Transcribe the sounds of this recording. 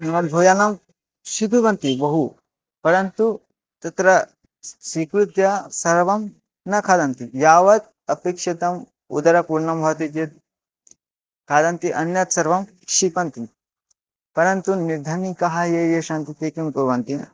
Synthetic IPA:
nɐmɐbʱoːjanɐm | ʃik̪uʋɐnt̪ibɐɦu | pɐɾɐnt̪u | t̪ɐt̪ɾɐ | swiːkɾut̪jɐsɐɾʋɐm | nɐkʰaːd̪ɐnt̪ijaːʋɐt̪̚ | ɐpekʂit̪ɐm | ṵd̪ɐɾɐpuɾɳɐmbʱɐt̪it͡ʃet̪̚ | kʰaːd̪ɐnt̪iʔɐnjɐt̪sɐɾʋɐm | kʂipɐnt̪i | pɐɾɐnt̪unid̪ʱɐnikɐɦajejeʃant̪it̪eːkimkuɾʋɐnt̪in

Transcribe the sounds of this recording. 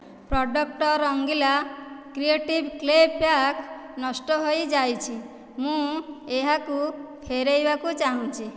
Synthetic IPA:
pɾɔɖɔk̚ʈɔɾɔŋɡilakɾieʈibklebpaknɔsʈɔɦojd͡ʒajt͡ʃʰi | mũeɦakupʰeɾejbakut͡ʃaɦũt͡ʃʰi

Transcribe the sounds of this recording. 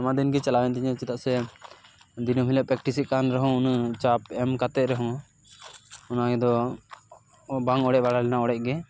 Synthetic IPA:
amad̪inɡɛt͡ʃalawɛnt̪ɛɲɛ̃t͡ʃɛt̪aʔsɛ | d̪inɔmilapɾɛk̚ʈisikanɾɛɦɔ̃nt͡ʃapɛmkat̪ɛʔɾɛɦɔ̃ | ɔnaɡɛd̪ɔ | baŋɔɽɛʔ̚baɽalɛnaɔɽɛʔ̚ˀɡɛ

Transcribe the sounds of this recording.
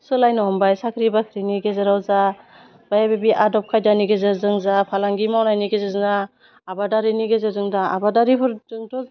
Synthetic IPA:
sɯlajnɔɦɔmbajsakʰɾibakʰɾiniɡezaɾawza | b̥ajabebiʔadɔp̚kʰajdaniɡezɯɾzɯŋzapʰalaŋɡimawnajniɡezezɯnaː | badaɾiniɡezɯzɯŋdaabadaɾipʰɯɾdɯŋtʰɔ

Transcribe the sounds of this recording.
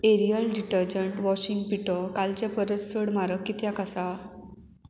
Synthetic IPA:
eɾijəlɖiʈəɾd͡ʑəɳʈʋɔɕiŋɡ̚piʈɔkalt͡ɕapəɾəsːəɽmaɾəkːit̪jakasa

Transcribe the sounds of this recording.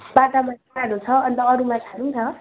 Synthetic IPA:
bat̪amʌn | aɾut͡sʰʌʌnt̪ʌːɾumakʰaɾunt͡sʰʌ

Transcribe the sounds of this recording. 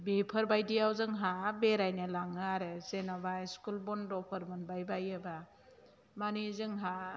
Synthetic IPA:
bepʰəɾbajdijawzɯŋɦabeɾajnɯlaŋɯaɾɯzenabajskulbɔndɔpʰəɾmɔnbajbajɯba | manizɯŋɦa

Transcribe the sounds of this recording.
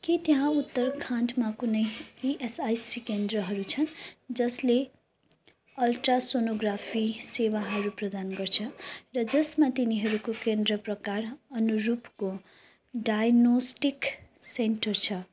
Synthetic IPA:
kit̪ʌɦãut̪ːʌrkʰãnʈmakunʌjiʔesajsikend̪ɾʌɦʌɾut͡sʰʌnd͡zʌsle | ʌlʈrasonoɡrapʰisewaɦʌɾuprʌd̪anɡʌrt͡sʰʌrʌd͡zʌsmat̪iniɦʌɾukokend̪ɾʌprʌkarʌnuɾupko | ɖajnosʈikseɳʈʌrt͡sʰʌ

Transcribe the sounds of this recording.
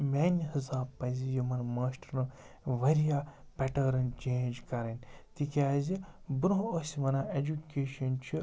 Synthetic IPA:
mʲaːnʲhizaːbpːɐzijumɐnmaːsʈɐɾnɨ | ʋɐɾijaːpɛʈɐːɾɐnt͡ʃẽːnd͡ʒkɐɾɐnʲt̪ikʲaːzibuɾoɦosʲʋɐnaːed͡ʒukeːʃɐnt͡ʃʰi

